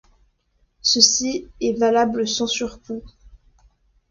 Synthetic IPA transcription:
səsiɛvalabləsɑ̃syʁku

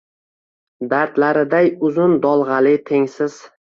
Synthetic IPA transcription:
d̪aɾt̪laɾɪd̪ajʊzʊnd̪ɒlˠʁɑlɪt̪ʰe̞ŋsɪz̥

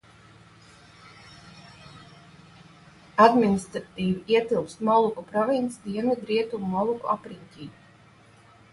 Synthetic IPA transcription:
ad̪minʲist̪ɾat̪iːviiɛt̪ilˠpst̪mɔlˠukupɾɔvinsd̪iɛnvid̪ɾiɛt̪ummɔlˠukuʔapɾiɲʲcʲiː

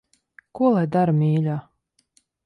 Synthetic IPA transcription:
kuɔlˠajd̪aɾamʲiːlʲaː

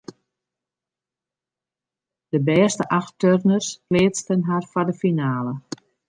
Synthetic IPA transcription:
d̥əbɛːstəʔaxtørnərsklɪːt͡stənɦarfadəfinaːlə

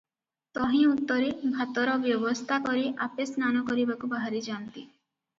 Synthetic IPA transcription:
t̪ɔɦĩut̪ːɔɾebʱat̪ɔɾɔbjɔbɔst̪ʰakɔɾiʔapesnanɔkɔɾibakubaɦaɾid͡ʒant̪i

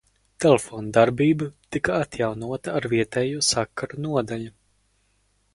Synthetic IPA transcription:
t̪elefoːnd̪aɾbiːbɨt̪ikaat̪jawnuɔt̪aːɾviɛt̪ɛːjuɔsakːaɾunuɔd̪aʎu

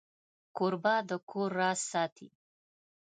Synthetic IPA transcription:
koɾbɑd̪əkʰoɾːɑːsɑt̪ʰḭ

